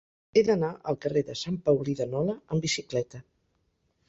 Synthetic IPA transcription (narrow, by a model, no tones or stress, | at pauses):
eðənaʔə̰lˠkəreðəsampawliðənɔləəmbisiklɛt̪ə